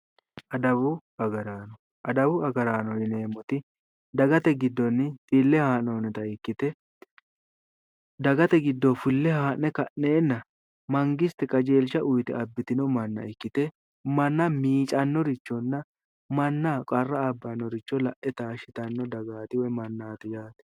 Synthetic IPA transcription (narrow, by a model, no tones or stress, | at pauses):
ɐd̪ɐbʊ | ɐɡɐɾaːnɔ | ʔɐd̪ɐbʊɐɡɐɾaːnɔjɪne̞ːmɔt̪ɪ | d̪ɐɡɐt̪ɛɡɪd̪ːɔnːt̪ɪlːɛhaːnoːnɛt̪ɐɪkːɪt̪ɛ | d̪ɐɡɐt̪ɛɡɪd̪ːɔfɪlːɛhaːʔnɛkɐʔeːnːɐ | mɐŋɡɪst̪ɛkʼɐd͡ʒe̞ːlʃɐʔʊjt̪ɛɐbːɪt̪ɪnɔmɐnːɐ̰ɪkːɪt̪ɛ | mɐnːɐmiːt͡ʃʼɐnːɔɾɪt͡ʃːɔnːɐ | mɐnːaːkʼɐrːɐːbːɐnːɔɾɪt͡ʃːɔlɐʔɛt̪aːʃɪt̪ɐnːɔd̪ɐɡaːt̪ɪwɔjmɐnːaːt̪ɪjaːt̪ɛ̥